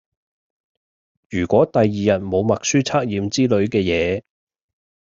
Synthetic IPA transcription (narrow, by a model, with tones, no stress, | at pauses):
jyː˨˩kʷɔː˨˥t̪ɐ˨jːiː˨jɐ˨˩t̚mo˨˧wmɐ˨k̚syː˥t͡sʰaː˥k̚jiː˨˧mt͡siː˥lɵ˨˥ɥkɛː˧jɛː˨˧